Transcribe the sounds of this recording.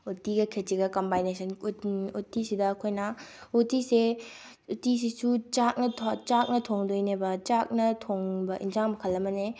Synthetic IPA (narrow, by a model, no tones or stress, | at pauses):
utiɡɐkʰet͡ʃiɡɐkɐmbajnesʰɐnutisidɐːkʰojnɐutise | utis̬isut͡ʃak̚nɐtʰt͡ʃak̚nɐtʰoŋdojnebɐt͡ʃak̚nɐtʰoŋbɐʔḭnzaŋmɐkʰɐlːɐmɐne